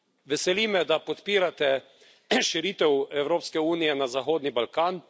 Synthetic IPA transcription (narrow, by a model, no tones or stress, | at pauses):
ʋɛsɛliːmɛd̪apɔt̪piːɾat̪ɛ | ʃɛɾit̪ɛwɛwɾoːpskɛuːnijɛnazaxoːd̪nibalkaːn